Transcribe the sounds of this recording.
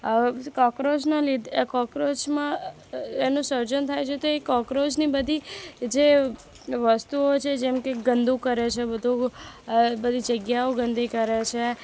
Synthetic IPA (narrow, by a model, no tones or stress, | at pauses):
kɔkɾod͡ʒnalid̪kɔkɾot͡ʃmã | enũsəɾd͡ʒənt̪ʰajt͡ʃʰet̪oekɔkɾod͡ʒnibəd̪ʱid͡ʒe | ʋəst̪uot͡ʃʰed͡ʒɛmkeɡənd̪ʱũkəɾet͡ʃʰebəd̪ʱũ | bəd̪ʱid͡ʒəɡjaoɡə̃nd̪ʱikəɾet͡ʃʰe